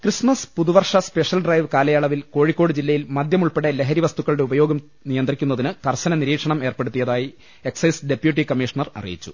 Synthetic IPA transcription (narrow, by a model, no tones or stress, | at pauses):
krismɐspuðuʋɐrʂɐspe̞ʂjɐlɖrɐjʋkaːlɐjaːɭɐʋilko̞ːɻikʲːo̞ːɽɨd͡ʑilːɐjilmɐd̪jɐmuɭpe̞ɽele̞ɦɐɾiʋɐst̪ukːɐɭɽe̞ubɐjo̞ːɡɐm | nijɐnd̪rikʲːunːɐðinɨkɐrɕɐnɐniɾiːkʂɐɳɐme̞ːrpeɽut̪ːijɐðaːji | e̞ksɐjsɖe̞pjuʈ̬ːikɐmːiʂɐɳɐrɐ̰rḭjḭt͡ɕːu̥